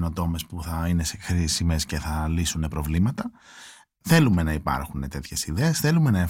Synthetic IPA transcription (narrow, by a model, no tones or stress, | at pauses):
no̞t̪o̞me̞spuθɐine̞sexɾisime̞sce̞θɐlisune̞pɾo̞vlimɐt̪ɐ | θe̞lume̞nɐipɐ̰ɾxune̞t̪e̞t̪çe̞siðe̞esθe̞lume̞nɐe